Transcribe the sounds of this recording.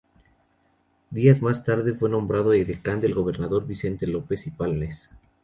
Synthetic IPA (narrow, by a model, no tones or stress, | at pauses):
d̪iazmast̪aɾðe̞fwe̞nõ̞mbɾaðoeðekand̪e̞lɣo̞β̞e̞ɾnaðo̞ɾβise̞nt̪e̞lo̞pe̞sipalnes